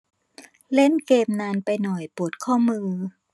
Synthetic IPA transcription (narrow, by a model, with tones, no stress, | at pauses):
le˥˩nkeː˧mnaː˧npa˧jnɔ˨˩jpu˨˩t̪̚kʰɔː˥˩mɯː˧